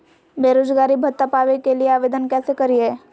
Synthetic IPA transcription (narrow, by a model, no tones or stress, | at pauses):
beːɾoːd͡ʒɡaːɾibʱɐt̪ːapaːʋekelieaːʋeːd̪ənkɛːsekɐɾiɦɛː